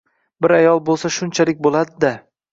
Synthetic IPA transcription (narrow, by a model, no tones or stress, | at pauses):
bɪɾajɒlˠbolˠsaʃʊnt͡ʃʰalɪkʲbolˠad̪ɪd̪a